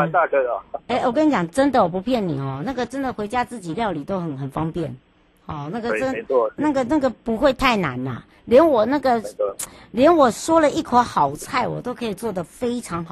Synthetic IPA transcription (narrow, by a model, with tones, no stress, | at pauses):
a˥˧kə˥˩˨e˥˩ɪwɔ˨˩kə˥ni˨˩t͡ɕjɑ˨˩ŋʈ͡ʂə˥nd̪ə˨wɔ˨˩pu˧˦˥pʰjɛ˥˩nnḭ˨˩xɔ˥˩na˥˩ɡə˨ʈ͡ʂə˥nd̪ə˨xwe˧˥ɪt͡ɕja˥t͡sɹ̩˥˩t͡ɕi˨˩ljɑ˥˩ʊli˨˩t̪o˥ʊxə˨˩nxə˨˩nfɑ˥ŋpjɛ̰˥˩n | hɔ˨˩na˥˩ɡə˨ə˥n˧˥˧na˥˩ɡə˨na˥˩ɡə˨pu˧˦˥xwe˥˧ɪt̪ʰa˥˩ɪna̰˧˥nɐ̰˨ | ljɛ˧˥nwɔ˨˩na˥˩ɡə˨˩ | ljɛ˧˦˥nwɔ˨˩ʂwɔ˥lə˨i˥˩kʰwə˧˥xɑ˨˩ʊt͡sʰa˥˩ɪwɔ̰˨˩t̪o˥ʊkʰɤ˧˥i˨˩t͡swɔ˥˩d̪ə˩fe˥ɪʈ͡ʂʰɑ˧˥ŋxɑ˨˦